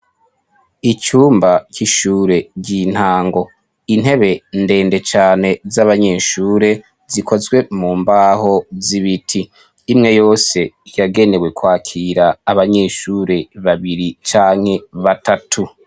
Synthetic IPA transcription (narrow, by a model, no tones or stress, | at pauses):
it͡ʃuːmbaciʃuːɾe̞ɟin̥haːŋɡo̞ | in̥ɦe̞βe̞nde̞ːnde̞t͡ʃaːne̞zaβaɲe̞ːʃuːɾe̞ | zikʰo̞zɡwe̞muːmbaho̞ziβitʰiː | mŋe̞jo̞ːse̞jaɡe̞ne̞we̞kwaːkʰiɾaːβaɲe̞ːʃuːɾe̞βaβiɾit͡ʃaːŋ̥he̞βatatʰu